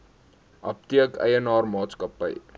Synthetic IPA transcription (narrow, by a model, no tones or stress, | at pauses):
ʔɐp̚tiəkə̰jənɑːrmɑːtskɐpə̰j